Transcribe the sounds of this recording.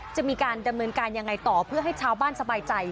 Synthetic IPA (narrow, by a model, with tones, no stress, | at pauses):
t͡ɕa˨˩ʔmiː˧kaː˧nda˧mnɤː˧nkaː˧nja˧ŋːa˧jt̪ɔː˨˩pʰɯ˥˩ɐɦa˥˩jt͡ɕʰaː˧wbaː˥˩nsa˧baː˧jt͡ɕa˧j